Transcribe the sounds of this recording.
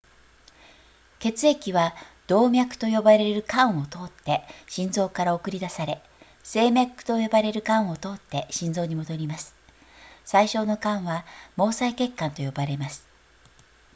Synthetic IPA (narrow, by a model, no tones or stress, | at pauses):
ke̞t͡sɨe̞kʲiβad̪̥o̞ːmʲjakɯ̟̥t̪o̞jo̞baɾe̞ɾɯ̟kãɰ̃o̞t̪o̞ːt̪ːe̞ɕĩnd͡zo̞ːkaɾao̞kɯ̟ɾʲid̪asaɾe̞ | se̞ːmʲakːɯ̟̥t̪o̞jo̞baɾe̞ɾɯ̟kãɰ̃o̞t̪o̞ːt̪ːe̞ɕĩnd͡zo̞ːɲ̟imo̞d̪o̞ɾʲimasɨ̥ | saiɕo̞ːno̞kãɰ̃βamo̞ːsaike̞kːãnt̪o̞jo̞baɾe̞masɨ̥